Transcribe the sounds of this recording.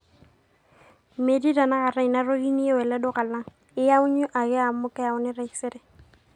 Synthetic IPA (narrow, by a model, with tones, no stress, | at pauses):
me˨di˦da˨na˦ɣa˨ɾa˦˨i˨na˦ro˦ɡi˦ni˦e˦wɛ˨lɛ˦dʊ˦ka˨la˦ŋ̩ | ɪ˦ja˦ʊ˦ɲʊ˦ʔa˨ɣɪ˦a˨mʊ˦kɛ˦ja˨ʊ˦nɪ˦ɾa˦i˦sɪ˦ɾɪ˨